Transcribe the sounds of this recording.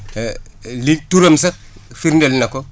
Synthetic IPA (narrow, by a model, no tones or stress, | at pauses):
lik̚tuɾomsɐk̚ | fiɾndelnako